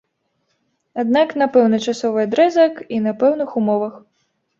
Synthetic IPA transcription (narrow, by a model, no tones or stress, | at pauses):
ad̪̚naknapɛwnɐt͡ʂasɔvɨad̪ɾɛzɐkinɐpɛwnɨxumɔvɐx